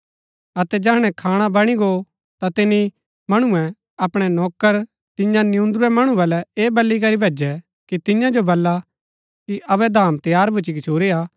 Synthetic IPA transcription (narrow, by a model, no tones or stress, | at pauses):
ɐt̪ɛd͡ʒɛɦɽ̃ɛ̃kʰaːɽ̃abɐɽ̃iɡo | t̪at̪ɪni | mɐɽ̃uɛ̃ | ɐpɽ̃ɛnɔːkəɾ | t̪ɪ̃jãnɪjũnd̪uɾɛmɐɽ̃ũbɐlɛeːbɐlːik̬ɐɾibʱeːd͡ʒɛ | kit̪ɪ̃jãd͡ʒobɐlːa | kiʔɐʋɛd̪ʱaːmt̪jaːɾbʱʊt͡ʃik̬ɪt͡ʃʰoːɾiaː